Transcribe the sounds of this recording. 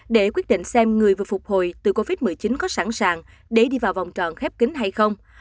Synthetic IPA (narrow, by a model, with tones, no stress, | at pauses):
ɗe˧˩kwi˦˥t̚ɗḭ˧˨ŋ̟sɛ˧mŋɨ˨˩əjvɨ˨əfʊ˨˩k͡p̚ho˨˩jt̪ɨ˨˩ko˧vi˦˥t̚mɨ˨˩əjt͡ɕï˨˦nkɔ˨˦sa˧˩ŋsaː˧˨ŋ | ɗe˧˩ɗi˧vaː˨˩wva˨˩wŋ͡mt͡ɕɔ̰˨nxɛ˦˥p̚kï˨˦ŋ̟ɦa˧jxə˧wŋ͡m